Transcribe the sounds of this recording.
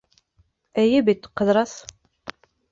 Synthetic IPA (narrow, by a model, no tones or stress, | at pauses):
æjæbit̪ːqːəðɾˤɑθ